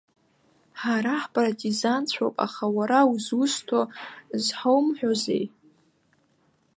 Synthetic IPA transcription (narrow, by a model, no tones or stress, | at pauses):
ħaɾaħpʼartʼizant͡sʷʰopʼa̰χawaɾawuzʊstʰozħowmħᶣozḛj